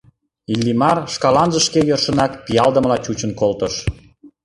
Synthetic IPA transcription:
ilʲːimɑrʃkɑlɑnʒəʃkejørʃə̆nɑkpijɑld̪əməlɑt͡ɕut͡ɕənkolt̪əʃ

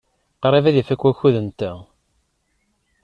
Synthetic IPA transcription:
qɾˤivæðəfækːwæçuðənt̪æ

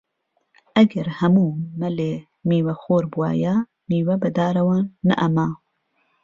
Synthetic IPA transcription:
ʔɐɡɐɾhɐmuːmɐleː | miːwɐxoːɾbua̰ːja | miːwɐbɐd̪aːɾɐwɑːnːɐ̰ʔɐmaː

